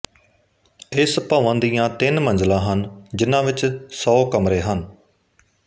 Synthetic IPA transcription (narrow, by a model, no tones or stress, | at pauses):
ɪspaːʋãːd̪ijãːt̪ɪnmənd͡ʒlãːɦənd͡ʒɪnãːʋɪt͡ʃsɔːkəmɾeːɦən